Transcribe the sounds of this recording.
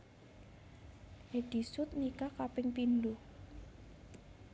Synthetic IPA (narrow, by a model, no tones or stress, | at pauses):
hed̥i̤sʊt̪̚nikakapɪŋpindʊh